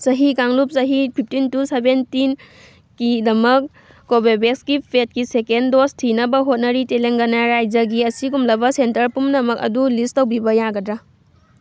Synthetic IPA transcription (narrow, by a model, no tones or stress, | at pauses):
sɐɦikaŋlup̚sɐɦipʰip̚ʰtintusebentin | kidɐmɐk̚ː | obebekskipʰet̚kisekendostʰinɐbɐɦot̚nɐɾiteleŋɡɐnaɾajd͡ʒɐɡiɐsiɡumlɐbɐsentɐɾpumnɐmɐkɐ̰dulistɐwbibɐjaɡɐdɾa